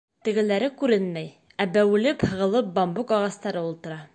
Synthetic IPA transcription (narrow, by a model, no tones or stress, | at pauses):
t̪ɘ̆ɡɘ̆læɾɘkʉɾɘnmæj | æbæwɘ̆lɘphɤ̆ʁɤ̆lˠɤp̚bɒmbukɒʁɑst̪ɑɾɤulˠt̪ɤ̆ɾɑ